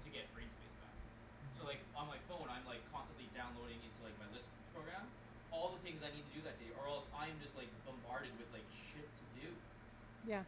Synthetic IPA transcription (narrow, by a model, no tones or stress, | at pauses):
tʰɨɡɛt̚b̥ɹẽɪ̃nspeɪsb̥æ̰k | soʊlaɪkə̃nmaɪfõʊ̃nãɪ̃mlaɪkʰːɑ̃nstə̃nʔlidãʊ̃nloʊɾɪ̃ŋɪ̃ntʰulaɪk̚maɪlɪstpʰɹ̥oʊɡɹæ̃m | ɔlˠðəθɪ̃ŋzaɪnid̚tʰɨdɨðɨt̚d̥eɪʔə˞ɛlˠsãɪɨ̃md͡ʒʌst̚ˡlaɪk̚b̥ɨ̃mbɑɹɾɨd̚wɨðlaɪkʃɪtʰɨdʉ | jæ